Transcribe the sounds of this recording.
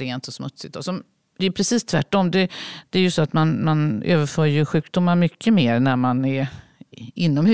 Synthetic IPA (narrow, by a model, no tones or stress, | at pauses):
ɾeːnt̪ɔsmɵt̪sɪt̪ɔsɔm | d̪̥ɛjʉpʰɾɛsiːst̪ʰvæ̰ʈːɔmd̪ɛd̪̥ɛæɾjɵsɔat̪manmanø̰ːvəɾfœːɾjɵɧʉ̟ːkd̪ʊmːaɾmʏkʰːəmeːɾnæɾmanæɾ | ɪnːɔmh